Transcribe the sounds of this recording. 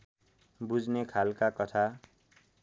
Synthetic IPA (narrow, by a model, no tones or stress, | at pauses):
bud͡znekʰalkakʌt̪ʰa